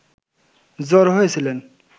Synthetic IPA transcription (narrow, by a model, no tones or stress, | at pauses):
zɔɾɦojet͡ɕʰilen